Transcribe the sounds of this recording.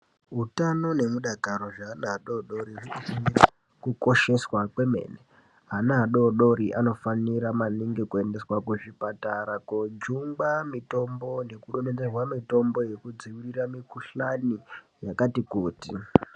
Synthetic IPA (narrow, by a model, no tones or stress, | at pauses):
ɦutano̞ne̞muɗakaɾo̞ʐanaɗo̞ɗo̞ɾirunofanira | kuko̞ʃe̞swakwe̞me̞̰ːne | ɦanaːɗo̞ɗo̞ɾiʔano̞faniɾamaniŋɡe̞kue̞nde̞swakuʐipataɾakod͡ʒuŋɡamito̞mbo̞ne̞kuɗone̞d͡zerwamito̞mbo̞je̞kud͡ziwiriramikuɬani | jakatikuːtḭ